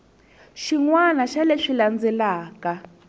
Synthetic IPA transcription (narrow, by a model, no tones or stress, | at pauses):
ʃiŋwanaʃaleʂiland͡zɛlaːka